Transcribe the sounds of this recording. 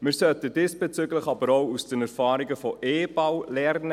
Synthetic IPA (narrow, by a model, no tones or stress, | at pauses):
mɪɾsœtədɪːsb̥et͡syɡlɪχɑbəɾowusd̥ənɛɾfɑːɾiɡəfɔʔeːb̥awlɛɾnə